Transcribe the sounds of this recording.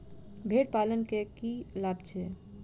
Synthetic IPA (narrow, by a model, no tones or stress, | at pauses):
bʱeʈ̚palənkekilabt͡ʃʰɛ